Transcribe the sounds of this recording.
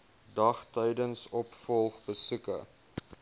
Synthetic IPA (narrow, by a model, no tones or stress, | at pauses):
dɐχtɛjdənsɔpfɔlˠχbəsʉkə̰